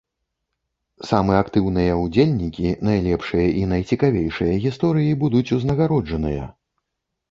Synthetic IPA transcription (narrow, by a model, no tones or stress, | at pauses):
samɨakt̪ɨwnɨjɐud͡zʲelʲnʲikʲinajlʲɛpʂɨjɐʔinɐjt͡sʲikavʲejʂɨjɐɣʲist̪ɔɾɨjibud̪ut͡sʲuznɐɣaɾɔd͡ʐɐnɨjɐ̰